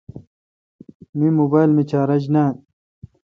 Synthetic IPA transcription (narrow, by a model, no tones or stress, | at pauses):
mimubaːjlmit͡ɕaːɾɐd͡ʑnaː